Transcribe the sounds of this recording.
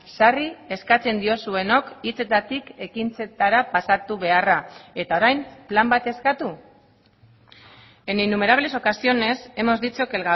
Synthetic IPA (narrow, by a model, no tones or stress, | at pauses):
sarie̞skat͡se̞nd̪io̞sue̞no̞kit͡se̞t̪at̪ike̞kint͡se̞t̪aɾapasat̪uβ̞e̞arae̞t̪ao̞ɾajmplambat̪e̞skat̪u | e̞ninːume̞ɾaβle̞so̞kasio̞ne̞se̞mo̞zd̪it͡soke̞lɣa